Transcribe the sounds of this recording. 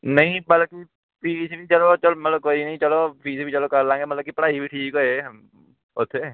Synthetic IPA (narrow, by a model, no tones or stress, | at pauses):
nəɦĩbalki | pisbit͡ʃəlot͡ʃɔlmət̪ləb̚kɔinəɦĩt͡ʃɔlopisibʱit͡ʃɔlokəlãŋɡemət̪lbkipəɽaɦibiʈʰiːkɔe | ot̪ʰe